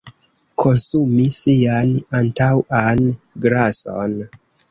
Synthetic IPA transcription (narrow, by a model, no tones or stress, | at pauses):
kʰosumisianantawan | ɡɾaso̰n